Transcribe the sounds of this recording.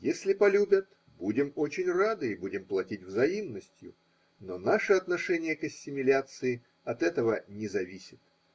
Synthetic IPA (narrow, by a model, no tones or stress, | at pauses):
jesʲlʲɪpɐlʲubʲət̪ | budʲɪmo̞t͡ɕɪnʲrad̪ɨibudʲɪmplˠɐtʲitʲvzɐimnːəsʲtʲjʊ̰ | no̞naʂɨɐt̪nɐʂɛnʲɪjəkɐsʲːɪmʲɪlʲat̪sɨɪ | ɐt̪ɛt̪əvənʲɪzɐvʲisʲɪt̪̚